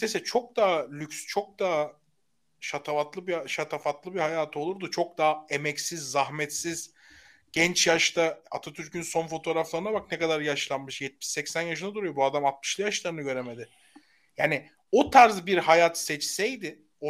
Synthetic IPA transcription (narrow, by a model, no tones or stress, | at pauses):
nesɛt͡ʃʰo̞k̚d̪aːlʲycʲst͡ʃʰo̞k̚d̪aːa | ʃat̪ʰavat̪lˠɯbiʃat̪ʰafat̪lˠɯbihajaːt̪ʰɯo̞lˠuɾd̪ut͡ʃʰo̞k̚d̪aːe̞mɛcsizːaɦmɛt̪siz̥ | ɟ̥ɛnt͡ʃjaʃt̪ʰaa̰t̪ʰat̪ʰyɾcʰynso̞nfo̞t̪ʰo̞ːɾaflˠaɾɯnabak̚nɛkad̪aɾjaʃlˠanmɯʃjɛt̪̚mi̥ʃɛcsænjaʃɯnad̪uɾujo̞buad̪amat̪̚mɯ̥ʃlˠɯjaʃlˠaɾɯnɯɟø̞ɾeme̞d̪ɪ | jaːnɪ | ot̪ʰaɾzbiɾhajaːt̪sɛt͡ʃsɛjd̪ɪ | o